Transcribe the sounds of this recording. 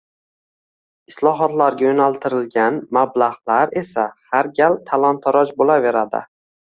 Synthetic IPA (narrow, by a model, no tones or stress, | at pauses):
ɪslˠɒɦɒt̪laɾɡʲajonalˠt̪ʰɪɾɪlɡʲanmablaʁlaɾe̞sahaɾɡʲalt̪ʰalˠɒnt̪ʰaɾɒd͡ʒbolave̞ɾad̪ɪ̰